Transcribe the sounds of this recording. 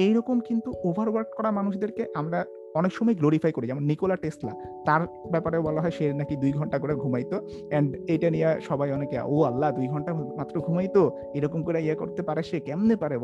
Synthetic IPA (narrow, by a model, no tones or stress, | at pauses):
ejɾɔkomkint̪uobʱaɾwaɾɖkɔɾamanuʃd̪eɾkeʔamɾa | ɔnekʃɔmɔjɡloɾifajkoɾid͡ʑɛmonːikolaʈesʈla̰t̪aɾ | bɛpaɾeobɔloɦɔeʃeɾnakid̪ujɡʱɔɳʈakoɾaɡʱumajt̪o | ɛɳɖejʈanijaʃɔbajɔnekea̰oalːad̪ujɡʱɔɳʈamat̪ːɾoɡʱumajt̪o | ejɾɔkomɡoɾaiako̰ɾt̪epaɾeʃekɛmnepaɾe